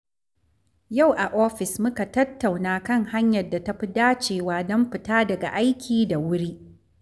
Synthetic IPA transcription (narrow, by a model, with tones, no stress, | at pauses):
ja˦˨wʔa˨ʔɔː˦ɸɪ˨smʊ˦ka˨tɐ˦tːa˨wnaː˦kɐ˦˨ŋha˦ɲjɐ˨da˨tɐ˦ɸi˦daː˦t͡ʃeː˨waː˦dɔ˦mɸɪ˨taː˦dɐ˨ɡa̰˨ʔa˦jkʲʰiː˨da˨wʊ˦ɽiː˦ʔ